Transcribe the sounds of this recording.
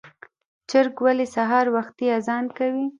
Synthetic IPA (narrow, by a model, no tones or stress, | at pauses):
t͡ʃɪɾkwalesaɦɑɾwaxt̪iazɑnkawi